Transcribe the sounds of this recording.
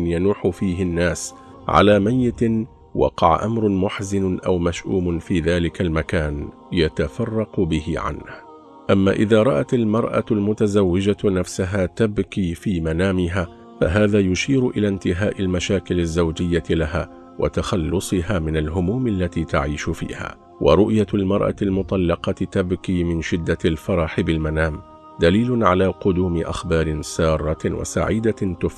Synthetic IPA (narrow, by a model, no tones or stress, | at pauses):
njanuːħʊfiːɦɪnːaːs | ʕa̰laːmajːɪt̪ | wɑ̰qɑʕa̰ʔamɾˤmʊħzɪnʔawmaʃʔuːmʊfiːðaːlɪkalmakaːn | jat̪afɑrˤːɑqʊbɪhɪ̰ʕa̰nh | ʔamːaːʔɪðaːɾˤɑʔat̪almɑɾˤʔa̰lmʊt̪azawːɪd͡ʒanafsʊɦaːt̪abkiːfiːmanaːmɪɦaː | fa̰ɦaːðaːjʊʃiːɾʊʔɪlaːnt̪ɪɦaːʔɪlmaʃaːkɪlazːawd͡ʒɪjːaɪlaɦaː | wʔa̰t̪axɑlːʊsˤɨɦaːmɪnalɦʊmuːmʔalːat̪iːt̪aʕiːʃʊfḭːha̰ː | wʔɑ̰ɾˤʊʔjalmɑɾˤʔa̰lmʊt̪ˤɑlːɑqɑt̪abkiːmɪnʃɪd̪ːaɪlfɑɾˤɑħɪbɪlmanaːm | d̪aliːlʊnʕalaːqʊd̪uːmɪʔa̰xbɑːɾɪnsɑːrˤːɑwʔa̰sa̰ʕiːd̪at̪ʊf